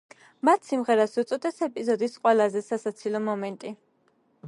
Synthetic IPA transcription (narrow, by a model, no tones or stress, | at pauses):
mat̪ʰsimʁɛɾasut̪sʼɔd̪ɛsɛpʼizɔd̪isqʼwɛlˠazɛsasat̪sʰilɔmɔmɛnt̪ʼi